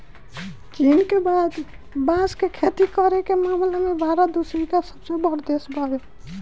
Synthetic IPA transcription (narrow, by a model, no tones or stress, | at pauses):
t͡ʃinkebad̪ | bãskekʰet̪ikəɾekemamlemebʱaɾad̪usɾikasəbsebəɾd̪esbʱaɡe